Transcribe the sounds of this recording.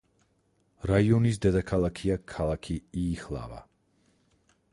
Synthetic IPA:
ɾaiɔnis̬d̪ad̪akʰalˠakʰiakʰalˠakʰiiːχlˠa̰va̰

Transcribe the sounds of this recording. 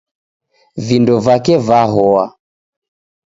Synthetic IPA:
vindɔvakɛvaɦɔa

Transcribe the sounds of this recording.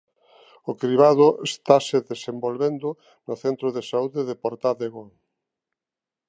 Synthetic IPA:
ʊkɾiβaðʊest̪asɪðesembolβend̪ʊ | nʊθent̪ɾoðesauðeðepoɾt̪aðeɣo

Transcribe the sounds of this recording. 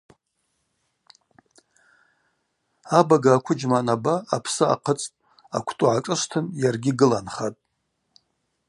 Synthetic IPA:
abaɡaːkʷʰʊd͡ʒmanabaːpʰsɨa̰qʰət͡sʼtʼ | a̰kʷʰtʼuʕaʈ͡ʂʼɨʂʷtʰɨnjarɡʲɪɡɨlanχatʼ

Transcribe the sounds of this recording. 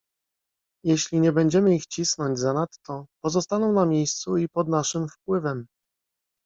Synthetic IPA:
jɛɕlʲiɲɛbɛɲd͡ʑɛmɘixt͡ɕisnɔɲd͡ʑzanat̪ːɔpɔzɔst̪anɔ̃w̃namʲjejst̪suipɔd̪naʂɘmfpwɘvɛm

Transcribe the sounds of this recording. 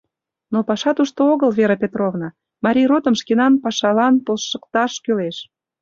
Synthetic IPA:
nopɑʃɑt̪uʃt̪ooɣəlveɾə̆pʲet̪rovnɑ | mɑɾʲijrot̪əmʃkenɑnpɑʃɑlɑnpəlʃəkt̪ɑʃkøleʃ

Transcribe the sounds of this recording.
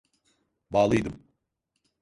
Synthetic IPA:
baːlˠɯjd̪ɯm

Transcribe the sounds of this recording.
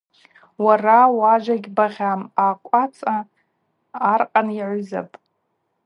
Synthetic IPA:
warawaʒʷaɡʲbaʁʲamaːkʷʼat͡sʼaː | rqʼaniʕʷʊza̰pʼ

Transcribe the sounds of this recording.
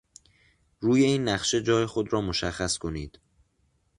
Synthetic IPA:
ɾuːje̞iːnːæχʃe̞d͡ʒɒːjexod̪ɾɒːmo̞ʃæxːæskʰo̞niːd̪̥

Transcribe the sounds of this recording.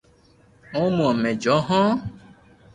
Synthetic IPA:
õmũɔmẽd͡ʒɔɦɔ̃

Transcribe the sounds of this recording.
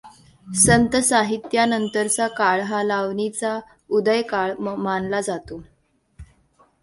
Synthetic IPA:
sənt̪əsaɦit̪janənt̪əɾt͡sakaɭɦalaʋnit͡sa | ud̪əjkaɭmanlad͡zat̪o

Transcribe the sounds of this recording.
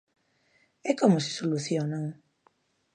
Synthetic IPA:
ɛkɔmʊsɪ̥soluθjɔnaŋ

